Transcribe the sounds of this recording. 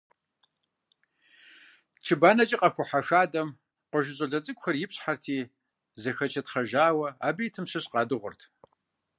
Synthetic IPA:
t͡ʃʰɨbaːnɐt͡ʃʼiqʼɐfʷʊħaʂaːdɐm | qʷɔʒɪɕʼɐɮɐt͡sʼɨkʷʼxʷɐrjɪpɕħartʰiː | zɐxɐt͡ʃʰɐtχɐʒaːwɐaːbijtʰɨmɕɨɕqɑːdɨʁʷʊ̰rtʰ

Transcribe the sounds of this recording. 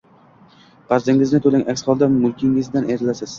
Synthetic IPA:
qɑɾzɪŋɪznɪt̪ʰolɪŋʲʔakʲsχɒlˠd̪amʊlˠkʲɪŋɪzd̪aneɾɪlasɪz̥

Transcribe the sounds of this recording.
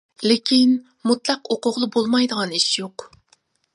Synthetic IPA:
lɪkʲʰin | mut̪lˠɑqoqʊʁlˠɨbolˠmɑjd̪əʁɑniʃjoq

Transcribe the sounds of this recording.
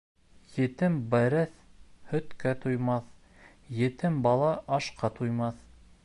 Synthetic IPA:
jɘ̆t̪ɘmbæɾɘθhɵ̆t̪kæt̪ujmɑθ | jɘ̆t̪ɘmbɑlˠɑʔɑʃqɑt̪ujmɑθ

